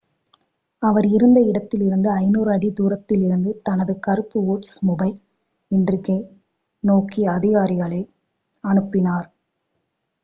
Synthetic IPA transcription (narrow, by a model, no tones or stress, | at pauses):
ɐʋɐɾɪɾɯnd̪ɐɪɽɐt̪ːɪlɪɾɯnd̪ɯɐɪnuːɾɐɽid̪uːɾɐt̪ːɪlɪɾɯnd̪ɯt̪ɐnɐðɯkɐɾɯpːɯuːʈsmʊbɐɪl | ɪndrɯke | noːkiɐðɪɣaːɾɪɣɐɭɐɪ | ɐɳɯpːɪnaːɾ